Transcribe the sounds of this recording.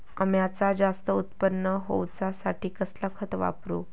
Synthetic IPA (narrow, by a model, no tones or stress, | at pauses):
əmjat͡sad͡zast̪əut̪pənːəɦo̰wt͡sasaʈʰiːkəslakʰət̪ʋa̰pɾu